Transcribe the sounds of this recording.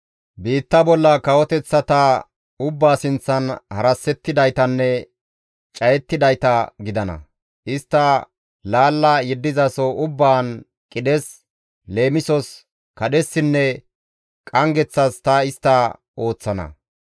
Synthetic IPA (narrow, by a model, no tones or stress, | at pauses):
biːt̪ːɐbɔlːɐkɐwɔt̪ɛt͡sːɐt̪ɐ | ʊbːaːsɪnt͡sːɐnhɐɾɐsːɛt̪ːɪd̪ɐjt̪ɐnːɛ | t͡ʃʼɐjɛt̪ːɪd̪ɐjt̪ɐɡɪd̪ɐnɐ̰ | ʔɪst̪ːɐ | laːlːɐjɛd̪ːɪzɐsɔʔʊbːaːn | kʼɪd̪ɛs | le̞ːmɪsɔs | kɐɗɛsːɪnːɛ | kʼɐŋɡɛt͡sːɐst̪ɐɪst̪ːɐ | ʔo̞ːt͡sːɐnɐ̰